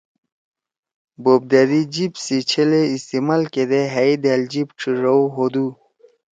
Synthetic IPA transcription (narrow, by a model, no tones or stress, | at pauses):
bob̚d̪aɾid͡ʑibsit͡ɕʰeleist̪imalked̪eɦaid̪eld͡ʑibʈ͡ʂʰiɾɐwɦod̪u